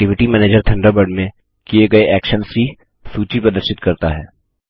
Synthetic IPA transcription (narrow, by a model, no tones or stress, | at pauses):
ʈɪʋɪʈimɛːneːd͡ʒəɾt̪ʰɐ̃ɳɖəɾbəɾɖmẽ | kieɡɐeʔɛːkʃənsi | suːt͡ʃipɐd̪əɾʃɪt̪kɐɾt̪a̰ɦɛ̰ː